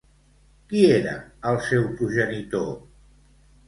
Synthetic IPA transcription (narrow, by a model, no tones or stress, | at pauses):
kieɾə̰əlˠsɛwpɾuʒənit̪o